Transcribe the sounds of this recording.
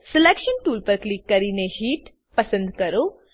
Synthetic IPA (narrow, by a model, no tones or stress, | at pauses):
selekʃənʈuːlpɐɾklikːɐɾiːneɦiːʈ | pɐsə̃nd̪kɐɾo